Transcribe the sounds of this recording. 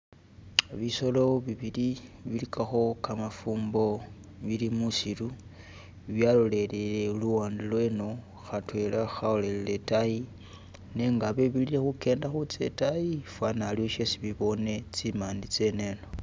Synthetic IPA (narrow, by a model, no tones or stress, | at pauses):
βiso̞lo̞βiβiliβilikʰaxo̞kamafuːmbo̞ | βilimusilu | βjalole̞lele̞luwaːndilweno̞ | xatwe̞laxaolelile̞taji | ne̞ŋɡaβeβililexuke̞ːndaxut͡sḛtajifwanalioʃesiβiβo̞ne̞t͡simaːndit͡se̞ne̞ːno